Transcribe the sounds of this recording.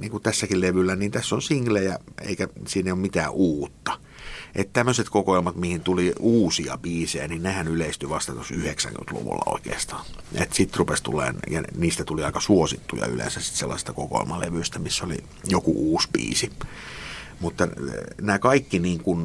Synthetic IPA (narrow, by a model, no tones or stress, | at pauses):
niːŋkut̪æsːækilleʋylːæniːnt̪æsːonsiŋlejæḛikæsiːnːeiomit̪æːʔuːt̪ːɑ̥ | ʔet̪t̪æmːøset̪kokoilmɑt̪mihint̪uliuːsiɑ̰b̥iːsejæninnehænyleist̪yʋɑst̪ɑt̪osyheksæ̰ŋky̰nt̪lṵʋṵlːɑ̰o̰ikḛːst̪ɑ̥ːet̪sit̪rupest̪ṵlːˑḛːnjɑniːst̪æt̪uliɑikɑsuosit̪ːujɑ̰y̰lḛ̃nsæssi̥t̪selːɑ̰se̥st̪ɑ̥koko̰ḭlmɑlḛʋyist̪æmisːolḭ | jokṵʔuːsbḭːsi | mut̪ːɑnæːkɑikːiniːŋkun